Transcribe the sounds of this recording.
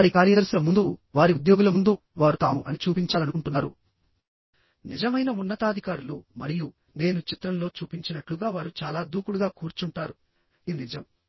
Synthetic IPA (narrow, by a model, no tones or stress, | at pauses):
ɾikaːɾjɐd̪ɐɾsulɐmund̪uʋaːɾiud̪jo̞ːɡulɐmund̪u | ʋaːɾut̪aːmuʔɐnit͡ʃuːpiɲt͡ʃaːlɐnukuɳʈunːaːɾṵ | nid͡ʒɐmɐjnɐunːɐt̪aːd̪ʱikaːɾulumɐɾiju | ne̞ːnut͡ʃit̪ɾɐmloːt͡ʃuːpiɲt͡ʃinɐʈluɡaːʋaːɾut͡ʃaːlaːd̪uːkuɽuɡaːkuːɾt͡ʃuɳʈaːɾu | inid͡ʒɐm